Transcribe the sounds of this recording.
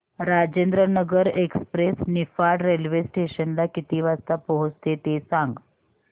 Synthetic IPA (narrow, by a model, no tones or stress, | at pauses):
ɾad͡ʑẽnd̪ɾənəɡəɾekspɾesnifaɽɾelʋesʈeɕənlakit̪iːʋast̪apəɦut͡st̪et̪esãŋɡ